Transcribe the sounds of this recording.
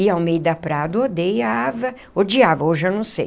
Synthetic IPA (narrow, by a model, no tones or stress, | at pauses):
ɪawmejʊd̪ɐpɾad̪ɐod̪ejɐavɐ | od͡ʒiavɐoʒanɐ̃w̃sḛj